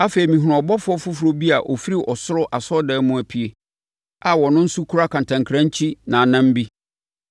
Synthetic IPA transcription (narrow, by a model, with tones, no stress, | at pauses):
a˦fe˨i˨mĩ˨ɦʊ̃˨ʊ̃˨ɔ˨bɔ˦fʊ˦ɔ˦fʊ˦fʊ˨˦ɾo˦bi˦a˨ʔɔ˨fi˦ɾi˨ʔɔ˨sʊ˦ɾʊ˦ʔa˨sɔ˦dɛː˦mʊ̃˦˨æ˨pʰi˨e˨ | a˨wɔ˨nʊ̃˦n̩˦sʊ˦kʰu˦ɾa˦kʰã˨n˨tʰã˨ŋkʰɾã˦ɲ˦t͡ɕʰi˦nã˨nã˦m˦bi˦